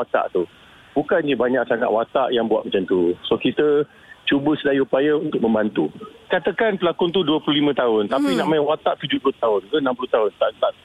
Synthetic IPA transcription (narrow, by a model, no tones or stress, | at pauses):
at̪a̰ʔt̪u | bukanɲəbaɲãʔksaŋa̰ʔ̪wat̪aʔjaŋbuat̪ʔ̪̚mat͡ʃant̪usokit̪ə | t͡ʃubəsədajiupajəunt̪ʊk̚mə̃mbant̪ukat̪əkanpəlakʊnt̪̬uduəplulimə̃t̪aʊnt̪apinãʔmaɪnwat̪aʔt̪ud͡ʒuplʊht̪aʊnkənamplut̪aɦʊnt̪aʔt̪aʔ